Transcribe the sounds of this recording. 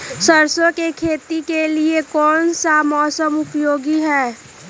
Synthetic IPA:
səɾsõkekʰeːt̪ikeliekɔːnsamɔːsəmʊpjoːɡiɦɛː

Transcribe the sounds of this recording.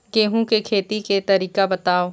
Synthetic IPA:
ɡeːɦũkekʰeːt̪iket̪ɐɾiːkabɐt̪aːoː

